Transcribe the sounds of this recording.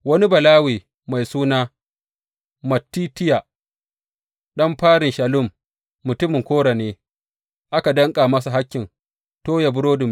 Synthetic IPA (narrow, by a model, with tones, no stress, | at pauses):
wɐ˦ni˦bɐ˨laː˦wiː˨ | ma˨jsuː˦naː˦ | mɐ˨tːiː˦tɪ˦ja˨ | ɗɐ˦mɸaː˦ɽɪ˨nʃɐ˨lʊ˦˨mː | ʊ˨tʊ˦mɪ˨ŋkʷoː˦ɽa˨neː˦ | ʔa˦ka˨dɐ˦ŋkʼaː˨mɐ˦sa˨ɦa˦kʲːɪ˨n | toː˦ja˨bʊ˦ɽoː˦dʊ˨m